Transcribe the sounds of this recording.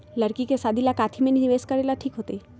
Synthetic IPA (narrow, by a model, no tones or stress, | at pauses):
ləɾkikesad̪ʱilakat̪ʰimeniniʋeskəɾelaʈʰiːkɦot̪e